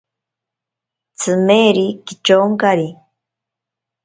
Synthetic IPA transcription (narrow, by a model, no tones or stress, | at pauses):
t͡sʰɨmeɾikit͡ʃoŋkaɾi